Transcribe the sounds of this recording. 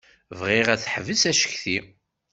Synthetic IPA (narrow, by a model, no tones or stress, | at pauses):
vʁiʁæθħvəsæʃə̥çθi